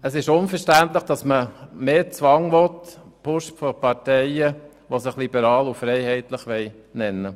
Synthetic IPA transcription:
əsɪʃʊnfəɾʃtænt̪ləχd̥ɑsməmeːt͡sʋɑŋʋɔt̪pʰʊʃfɔpɑtɛɪə | ʋosɪχlibəɾɑːlufɾɛɪhɛɪt̪ləχʋɛɪ | nɛnːə

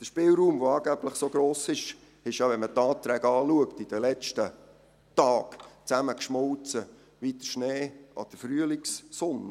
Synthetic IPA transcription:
d̥əʃpɪːlɾuːmʋoɑːɡæb̥ləχsoɡ̥ɾoːsɪʃ | ɪʃjɑʋɛnmətɑːt̪ɾɛːɡɑːluəktid̥əlɛt͡ʃtə | tɑːkt͡sæməkʃmɔlt͡sə | ʋit̪əʃneːʔɑ̰d̥əfryəlɪksːɔnə

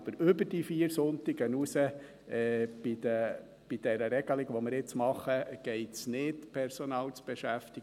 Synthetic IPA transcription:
b̥əɾʏbəɾdifiːəɾsʊnt̪ɪɡənusə | ɛb̥idə | b̥id̥ɛɾəɾɛɡ̥əlɪɡʋomɪɾɪt͡smɑχəɡ̥ɛɪtsnɪtpʰɛɾsonɑːlt͡sb̥eʃæft̪iɡ

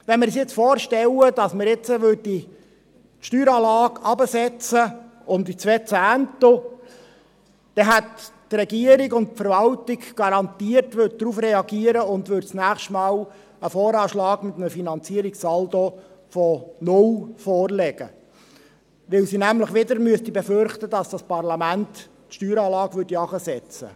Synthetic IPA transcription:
ʋɛnmɪɾsɪt͡sfɔːɾʃtɛləd̥ɑsməɾjɪt͡səʋød̚di | ʃtyːɾɑːlɑːɡɑbəsɛt͡sə | ʊmd̪it͡sʋɛt͡sæːnt̪o | d̥ɛɦættrɛɡiəɾiɡʊntpfəɾʋɑltɪɡɡ̥ɑɾɑnt̪iərtʋød̚d̪ɾufɾɛɑɡiəɾəʊnd̪ʋʏɾtt͡snæːχʃtmɑːw | əfɔːɾɑːʃlɑːɡmɪt̪əməfinɑnt͡siəɾiksɑldofɔnʊlfɔːrlɛɡ̥ə̰ | ʋɪwsinæmləχʋɪd̪əɾmyəst̪ibɛføɾχt̪ədɑsd̥ɑspɑrlɑmænt̪ | tʃtyːɾɑːlɑːɡʋʏrdiɑχəsɛt͡sə̰

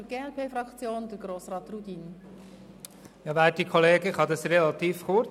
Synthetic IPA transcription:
ɡ̥eːɛlpʰeːfɾɑkt͡sjoːnd̪əɾɡɾoːsrɑːt̪rudin | jɑvæːt̚dikʰɔleːɡəχɑd̪ɑsɾɛlɑt̪iːfχʊɾt͡s

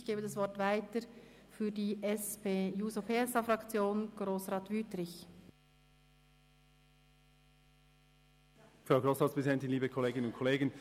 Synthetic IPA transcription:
çɡ̥eːbədɑsvʋɔʁtvaɪtəfyːɐdiːʔɛspʰeːjuːzopʰeːɛsɑːfʁɑkt͡sjoːnɡ̥ʁoːsʁɑːtʋyːtrɪç | fʁaʊɡʁoːsʁɑːtspʰʁɛzidɛntɪnliːbəkʰɔleːɡɪnənʊntkʰɔleːɡən

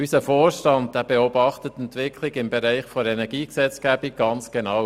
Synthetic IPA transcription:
ysəfoːɾʃtɑndd̥ɛbɛɔbɑχtətɛntʋɪkʰlɪɡɪmbɛɾæɪχfoɛnɛɡiːksɛt͡sɡ̥æb̥ik̚ɡ̥ɑnt͡sɡ̥enɑw

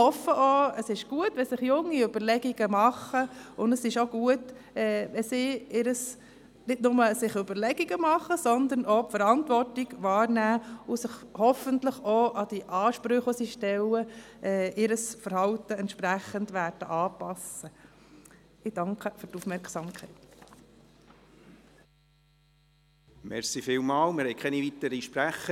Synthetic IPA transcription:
hɔfːəʔoːəsɪʃɡ̥uətʋɛsɪχjʊŋːiʏb̥əɾlɛɡ̥iɡ̥əmɑχəʊndəsɪʃoɡ̥uətɛːʋɛsiːɪɾəs | nɪtnʊməsɪχøbəɾlɛɡ̥iɡəmɑχəsɔnd̪əɾnopfəɾɑnt̪ʋɔrtiɡʋɑːɾnæːʊsɪχhɔfənt̪ləχoːʔɑd̪̥iʔɑːʃpɾʏχosiʃtɛlːəʔɛɪɾəsfəɾhɑwt̪əɛntʃpɾæχːənd̪ʋæːɾd̥əʔɑːpɑsːə | ɪd̥ɑŋkχəføɾtufmɛɾksɑmkʰɛɪt̪ | mɛɾsifɪːlmɑːlmɪɾhɛjkʰɛniʋit̪əɾiʃpɾæχə

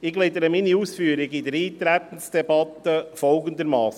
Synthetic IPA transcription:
ɪɡled̪əɾəminiuːsfyːəɾɪɡɪd̪əɾiːt̪ɾæt̪ən̩sd̥̪ɛbɑt̪əfɔlɡənd̪əɾmɑːs

